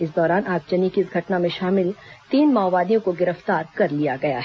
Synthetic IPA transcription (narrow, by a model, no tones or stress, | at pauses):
ɪs̬d̪ɔːɾaːnʔaːk̚t͡ʃɐnikiɪsɡʱɐʈnamẽʃaːmɪlt̪iːnmaːʋaːd̪ijõkoɡɪɾəft̪aːɾkɐɾlijaɡɐja̰ɦɛ